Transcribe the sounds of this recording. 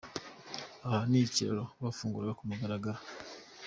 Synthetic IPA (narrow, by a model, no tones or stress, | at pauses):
ahanicḛɾoβafuːŋɡuɾɡakumaɡaɾaɡaɾa